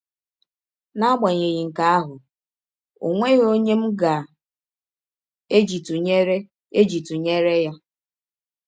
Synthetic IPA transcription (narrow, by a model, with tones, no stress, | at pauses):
na˦ɡ͡ba˨ɲe˨ɣi˨ŋ̩˨ka˦a˦ɦʊ˨ | o̰˨ŋʷe˦ɣo˦ɲe˦m̩˦ɡa˨ | e˦d͡ʒi˨tu˨ɲe˦ɾe˦ | e˦d͡ʒi˨tu˨ɲe˦ɾe˦ja˦